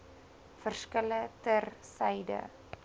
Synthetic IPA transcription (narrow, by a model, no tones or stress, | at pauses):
fərskələtərsɛjdə̰